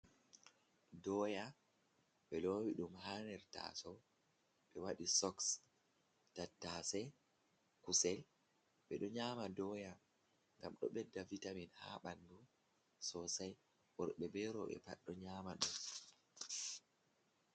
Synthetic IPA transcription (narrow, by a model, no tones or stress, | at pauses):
dɔːja | ɓɛlowiɗumhaːnɛɾta̰ːsɔ | ɓɛwaɗisɔks | tatːasɛ | kusɛl | ɓɛɗɔɲaːmadɔja | ŋɡamɗɔ̰ɓɛdːavitaminha̰ɓandu | sɔsaj | ʔɔɾɓɛbɛɾɔɓɛ̰pa̰ɗːɔɲaːmaɗun